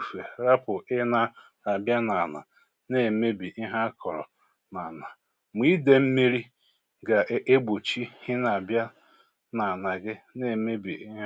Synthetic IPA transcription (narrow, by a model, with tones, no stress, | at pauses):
fe˨ɾa˦pʊ˨ɪ˦na˦ | a˨bja˦na˨na̰˨ | ne˦˨me˦bi˨ʔi˦ɦa˦kʰɔ˨ɾɔ̰˨ | na˨na˨ | mi˦de˨m̩˦mi˦ɾi˦ | ɡa˨ʔʔe˦ɡ͡bo˨t͡ʃi˦hɪ˦na˨bja˦ | na˨na˨ɡɪ˦ne˨me˦bi˨i˦